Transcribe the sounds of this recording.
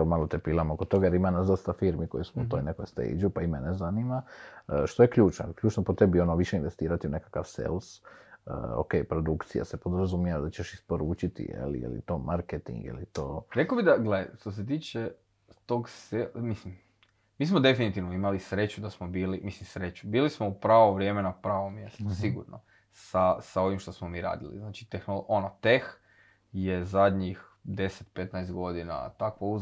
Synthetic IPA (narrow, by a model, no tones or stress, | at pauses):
malot̪epiːlamokod̪t̪o̞ɡajeɾimanazd̪ost̪afiɾmiko̞jesmuut̪ojnekojst̪ḛjd͡ʒupaimenezanimaəʃt̪ojekʎuːt͡ʃnojlkʎuːt͡ʃnopot̪ebionoʋiʃeinʋe̞st̪iːɾat̪iune̞kḁkaʋsḛlsə̰ːo̰kejpɾo̞d̪ukt̪sija̰sepo̞d̪ɾazumjiad̪at͡ɕeʃispo̞ɾuːt͡ʃit̪ḭjḛlḭjḛlḭt̪o̞ːmʔaɾket̪ḭŋɡḭlḭt̪oːɾekobid̪aɡleʃt̪os̬et̪̬iːt͡ʃe | t̪o̞ɡsemislim | miːsmod̪e̞finit̪iʋnoimalisɾe̞t͡ɕud̪asmobiːlimislimsɾe̞t͡ɕubiːlismoupɾaːʋoʋɾʲje̞menapɾaːʋo̞mːjest̪usiɡṵɾno̰ | sasao̞ʋimʃt̪o̞smomiːɾa̰ːd̪ḭlḭznaːt͡ʃi̥t̪exnolʔo̞not̪ex | je̞zad̪ɲix | d̪e̞set̪pe̞t̪najst̪ɡo̞d̪ina̰t̪akʋouz